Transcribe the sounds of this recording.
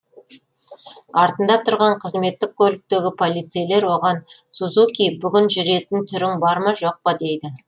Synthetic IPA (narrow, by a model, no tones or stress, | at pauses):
ɑɾt̪ənd̪ɑt̪ʰʊɾʁɑɴqʰəzme̞t̪ːɪk̚kʲʰɵlɪk̚t̪e̞ɡʲɪpʰo̞lijt̪sejle̞ɾwo̞ʁɑnsuzukʲij̚bʏɡʲɪnʒʏɾe̞t̪ɪnt̪ʰʏɾɪŋbɑɾmɑʒo̞q̚pɑd̪e̞jd̪ɪ